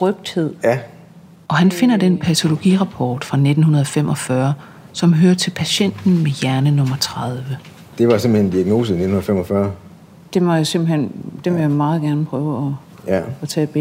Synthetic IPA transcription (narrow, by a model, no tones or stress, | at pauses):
ʁœb̥̚d̥he̝ð̰ˠæ | ʔɒ̽hænfe̝n̰ɐd̥enpʰæt͡sʰo̝lo̝ɡ̥ḭʁɑ̈pʰɒːd̥fʁɑ̈ne̝d̥n̩hunɐðˠɒfem̰ʔɒ̽fɶɐ | sɒ̽mɦøɐt͡sʰe̝lpʰæɕen̰d̥n̩mejæɐnənɔ̽mɐt͡sʰʁɑ̈ð̞ˠʋə | d̥e̝ʋɑ̈sem̰b̥̩hend̥iæɡ̥no̝ːs̬əine̝dn̩hunɐfemɒfɶɐ | d̥e̝mɒjase̝m̰b̥l̩hen̰d̥eʋejamɑ̈ːð̞̩ˠɡ̥æɐnəpʰʁœːʊɒ | jæɒt͡sʰɛ̰ːb̥e